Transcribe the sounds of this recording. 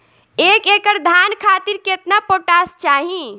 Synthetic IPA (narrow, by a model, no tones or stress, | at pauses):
ekekəɾd̪ʱankʰat̪iɾket̪napoʈast͡ʃaɦĩ